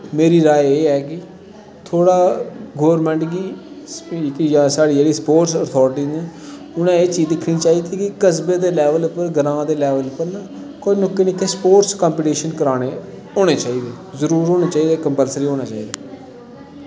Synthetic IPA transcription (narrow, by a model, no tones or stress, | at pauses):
meːɾiːɾaːjeːɛːkɪ | t̪ʰoːɽaːɡoːəɾmɛ̃ːɳʈɡiː | kjãːsaːɽiːd͡ʒeːɽiːspoːʈsət̪ʰɔːɾʈiːnẽː | ʊnãːeːt͡ʃiːzd̪ɪkʰːnĩːt͡ʃaːiːt̪ikɪkəsbeːd̪eːlɛːʋəlʊpəɾɡəɾãːd̪eːlɛːʋəlʊpːəɾnaː | konokːeːnik̪ʰːeːspoːʈskaːmpiːʈiːʃənkəɾaːneː | oːɽ̃eːt͡ʃaːiːd̪eːzəɾuːɾɦoːneːt͡ʃaːiːd̪eːkəmpəlsəɾiːɦoːñãːt͡ʃaːiːd̪aː